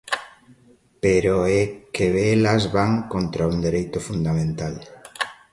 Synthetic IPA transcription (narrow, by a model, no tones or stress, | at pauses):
peɾoɛkeelazβaŋkont̪ɾauŋd̪eɾejt̪ʊfund̪amẽnt̪al